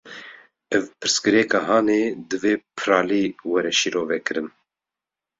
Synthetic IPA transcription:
ɛvpɨɾskɨɾɛkɑːɦɑːneːd̪ɨveːpʰɨɾɑːliːwɛɾɛʃiɾoːvɛkɨɾɨn

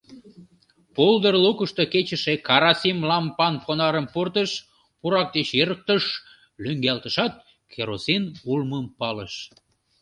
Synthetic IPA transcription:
pold̪ərlukəʃt̪oket͡ɕəʃekɑɾɑsimlɑmpɑnpʰonɑɾəmpurt̪əʃ | puɾɑk̚d̪et͡ɕeɾək̚t̪əʃ | løŋɡælt̪əʃɑt̪̚ | keɾosinulməmpɑlə̰ʃ

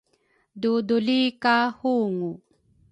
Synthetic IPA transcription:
dudulikahuŋu

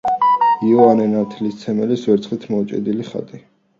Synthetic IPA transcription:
iɔanɛnat̪ʰlist̪sʰɛmɛlisvɛɾt̪sʰχit̪ʰmɔt͡ʃʼḭd̪iliχa̰d̪i

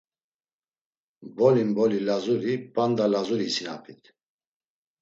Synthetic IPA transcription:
bɔlimbɔlilazuɾipʼand̪alazuɾisina̰pʰit̪ʰ

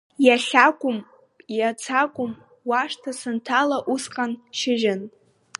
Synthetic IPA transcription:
jaɬʲakʷʼʊm | jat͡sʰakʷʼʊm | waʂtʰasɨntʰalaʔusqʼanʃɪʒɪn

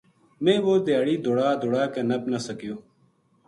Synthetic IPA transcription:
mẽːʋoːd̪jaːɽiːd̪oɽaːd̪ʱoɽaːkenəpnəsəkijoː

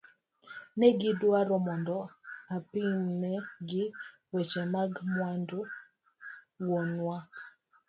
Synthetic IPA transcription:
nɛɡɪdwaɾɔmɔndɔapinnɛɡɪ | wɛt͡ʃɛmaɡmwando | wɔnwa

